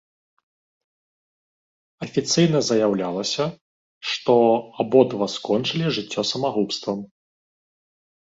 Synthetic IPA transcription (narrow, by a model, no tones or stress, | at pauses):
ɐfʲit̪sɨjn̪ɐzɐjawlʲalˠɐsʲɐ | ʂt̪ɔabɔd̪vɐskɔnt͡ʂɨlʲiʐɨt͡sʲːɔsɐmaɣupst̪vɐm